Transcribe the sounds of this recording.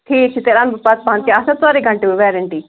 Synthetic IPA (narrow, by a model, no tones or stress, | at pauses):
ʈʰiːk̚t͡ʃʰit̪eɾãːnbɐpat̪̚pãːnt̪iasɐt̪aːɾeɡʱɐ̃ɳʈeuʋɛːɾəɳʈiː